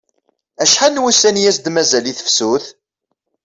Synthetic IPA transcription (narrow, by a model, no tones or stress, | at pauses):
æʃħanwusænjæsd̪mæzæliθə̥fsuθ